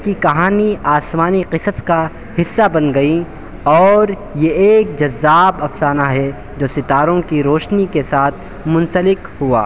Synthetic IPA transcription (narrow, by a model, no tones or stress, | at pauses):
kikɐɦaːniaːsmaːniqɪsəska | hɪsːabɐnɡɐi | ɔːɾ | jeeːk̚d͡ʒɐzːaːbɐfsaːnaɦɛ | d͡ʒoːsɪt̪aːɾõkiɾoːʃnikesaːt̪ʰ | mʊ̃nsəlɪkɦua̰ː